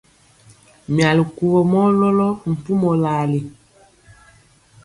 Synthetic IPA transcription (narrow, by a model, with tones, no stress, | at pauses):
mja˨li˨ku˨wɔ˨mɔ˦lɔ˦lɔ˦m̩˨pu˦mɔ˨la˨li˨